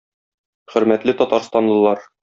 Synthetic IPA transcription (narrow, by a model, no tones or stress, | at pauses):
χɵ̆ɾmæt̪lɘt̪ɒt̪ɑɾst̪ɑnlˠɤ̆lˠɑɾ